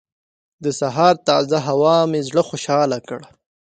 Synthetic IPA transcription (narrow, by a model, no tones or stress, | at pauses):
d̪əsaɦɑːɾt̪ɑzaɦawɑmezɽəxoʃɑlakɽa